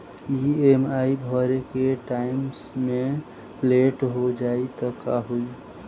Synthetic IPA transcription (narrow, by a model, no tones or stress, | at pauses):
iemaibʱɔɾekeʈaɪmsmẽ | leʈɦod͡ʒaːit̪ɔkaɦui